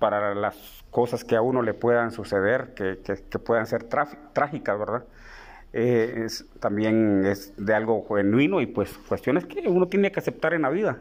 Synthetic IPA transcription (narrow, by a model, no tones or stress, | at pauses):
paɾalas | ko̞saskeauno̞le̞pwe̞ðansuseðeɾkekekepweðanseɾt̪ɾat̪ɾaxikazβeɾða | eest̪ambjenesd̪ealɡo̞xenwino̞ipweskwest̪jo̞neskeunot̪jenekease̞p̚t̪aɾenlaβiða